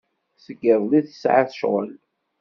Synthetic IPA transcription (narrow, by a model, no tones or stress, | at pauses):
səɡəɾˤliθə̥sʕaθəʃʁə̰l